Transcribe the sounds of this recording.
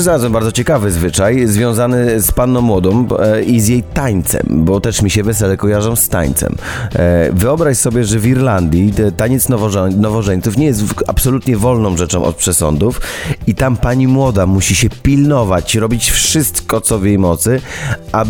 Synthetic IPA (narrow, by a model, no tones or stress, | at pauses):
zaɾazwɛmbaɾd̪zɔt͡ɕɛkavɘzvɘt͡ʂajzvʲjɔ̃w̃zanɘspanːɔ̃w̃ːwɔd̪ɔ̃mizjejt̪aɲt̪sɛ̰mbɔt̪ɛʂmʲiɕɛvɛsɛlɛkɔjaʐɔ̃w̃st̪a̰ɲt̪sɛ̰m | vɘɔbɾaɕsɔbʲjɛʐɛviɾland̪ʲjit̪aɲɛt̪snɔvɔnɔvɔʐɛɲt̪sufɲɛjɛst̪a̰psɔlut̪ɲɛvɔlnɔ̃w̃ʐɛt͡ʂɔ̃w̃ʔɔ̰t̪̚pʂɛsɔ̰nd̪ufit̪ampaɲimwɔd̪amuɕiɕɛpʲilnɔvat͡ɕɾɔbʲit͡ɕfʂɘst̪kɔt̪sɔvjejmɔt̪sɘʔa